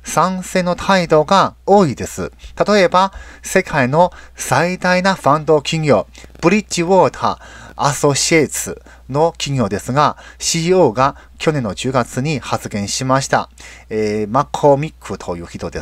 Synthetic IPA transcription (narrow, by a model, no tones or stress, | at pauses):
sãɰ̃se̞ːno̞t̪ʰaid̪o̞ɡaoːid̪e̞sɨ̰t̪at̪o̞e̞base̞kʰaino̞said̪ainaɸãnd̪o̞kʲiŋʲjo̞ːb̥ɯ̟ɾʲit͡ɕːiβoːt̪ʰa̰ːso̞ɕiet͡sɨ | no̞kʲiɡʲo̞ːd̪e̞sɨɡaɕiːo̞ːɡa | kʲo̞nẽ̞nːo̞d͡ʑɨːɡat͡sɨɲ̟ihat͡sɨɡẽ̞ɰ̃ɕimaɕi̥t̪a̰eːmakʰːo̞mʲikʰːɯ̟t̪ʰo̞jɯ̟ːçit̪o̞d̪e